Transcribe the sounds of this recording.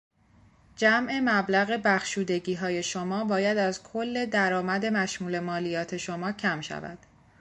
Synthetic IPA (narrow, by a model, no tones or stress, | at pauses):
d͡ʒæmʔe̞mæblæɣe̞bæxʃuːd̪e̞ɟiːɦɒːje̞ʃomɒːbɒːjæd̪æzkʰolːe̞d̪æɾɒːmæd̪e̞mæʃmuːle̞mɒːlijɒːt̪ʰe̞ʃomɒːcʰæmʃæ̰væ̰d̪̥